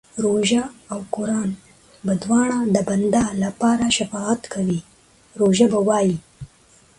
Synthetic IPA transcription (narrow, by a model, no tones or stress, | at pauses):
ɾoʒaːwkʊɾɑn | bad̪wɑɳ̃ad̪əband̪alapɑɾaʃafɑat̪kawi | ɾoʒabawɑji